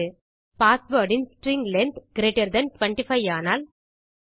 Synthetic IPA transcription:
ɯ | paːsʋoːɾɖɪnsʈɾɪŋɡlɛnt̪ɡɾeːʈɐɾd̪ɐnʈʋɐɳʈɪfɐɪaːnaːl

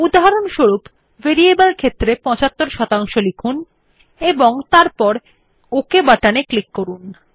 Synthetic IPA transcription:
ud̪aɦaɾonʃoɾup | veɾiebəlkʰet̪ːɾepɔ̃t͡ɕat̪ːoɾʃɔt̪aŋʃolikʰun | eboŋt̪aɾpɔɾ | okebaʈaneklikːoɾun

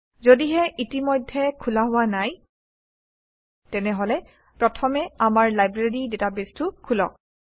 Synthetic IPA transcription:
zodiɦɛʔitimɔjdʱːɛkʰulaɦʊwanaj | tɛnɛɦɔlɛ | pɹɔtʰɔmɛamaɹlajbɹeɹidetabestukʰulɔ̰k̚

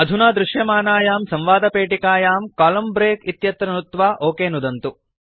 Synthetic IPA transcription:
ɐd̪ʱunaːd̪ɾuʃjɐmaːnaːjaːmsɐ̃mʋaːd̪ɐpeːʈikaːjaːmkaːlɐmbɾeːkit̪jɐt̪ɾɐnut̪ʋaːʔoːkeːnud̪ɐnt̪u

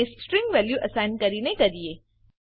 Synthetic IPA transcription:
esʈɾɪ̃ŋɡʋɛljuʔəsaɪnkəɾinekəɾie

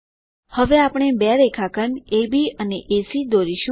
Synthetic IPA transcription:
həʋeapɳ̃ebɛɾekʰakənebiəneʔesid̪oɾiʃũ

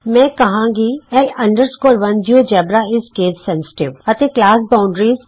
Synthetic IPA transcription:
mɛ̃ːkɐɦãːɡiɛlɐ̃ɳɖəɾskoːɾʋɐnd͡ʒiod͡ʒɛːbɾaɪskeːtsɛ̃nsɪ̥ʈɪʋɐt̪eklaːsbaːʊ̃ɳɖɾiːz

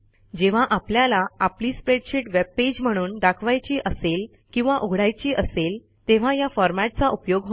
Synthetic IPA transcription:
d͡ʑeʋ̤aʔapljalaapliːspɾeɖɕiʈʋeb̚ped͡ʑm̤əɽ̃uːnɖakʰʋajt͡ɕiːʔəsel | kĩw̃ʋaʔuɡʱɽajt͡ɕiːʔəsel | t̪eʋ̤ajafɔɾmaʈ̚t͡saʔupjoɡɦo

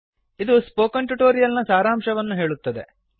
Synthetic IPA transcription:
id̪uspoːkɐɳʈuʈoːɾijɐlnɐsaːɾaːmʃɐʋɐnːuɦe̞ːɭut̪ːɐd̪e̞̰

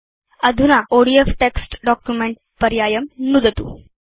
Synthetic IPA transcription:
əd̪ʱunaʔoɽiefʈeksʈɖɔkjumeɳʈ | pəɾjajəmnud̪ət̪ṵ

